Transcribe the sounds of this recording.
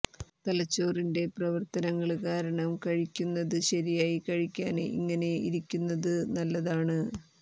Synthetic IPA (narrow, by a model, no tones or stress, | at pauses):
t̪ɐlɐt͡ɕːo̞ːrinde̞prɐʋɐrt̪ɐnɐŋːɐɭkaːɾɐɳɐmkɐɻikʲːunːɐðɨɕɐɾijaːjikɐɻikʲːaːnḭŋːɐne̞ḭɾikʲːunːɐðɨnɐlːɐðaːɳɨ